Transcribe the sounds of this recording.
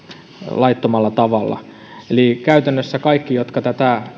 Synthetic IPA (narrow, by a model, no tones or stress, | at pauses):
lɑit̪ːomɑlːɑt̪ɑʋɑlːɑ̰ | elikæyt̪ænːøsːækɑikːijot̪kɑt̪æt̪æˑ